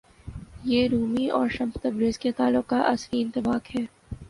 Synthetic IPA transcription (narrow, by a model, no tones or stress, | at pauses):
jeːɾuːmiɔːɾʃɐ̃mst̪ɐbɾeːzket̪aːlːʊqkaʔɐsfiɪ̃nt̪ɪbaːkhɛː